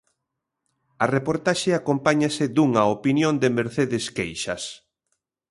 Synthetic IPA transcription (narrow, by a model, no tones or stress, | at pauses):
ɐrepoɾt̪aʃeakompaɲasɪd̪uŋɐopinjond̪emeɾθeðɪskejʃɐ̰s